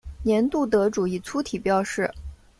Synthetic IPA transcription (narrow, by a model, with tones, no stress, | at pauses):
njɛ˧˥nt̪u˥˩t̪ɤ˧˥ʈ͡ʂu˨˩i˥˩t͡sʰu˥t̪ʰi˨˩pjɑ˥˧ʊʂɻ̩˥˩